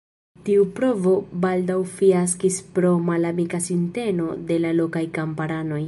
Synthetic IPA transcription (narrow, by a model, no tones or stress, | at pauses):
tiupɾo̞vo̞baldawfias̬kispɾo̞malamikasinte̞no̞de̞lalo̞kajkampaɾano̞j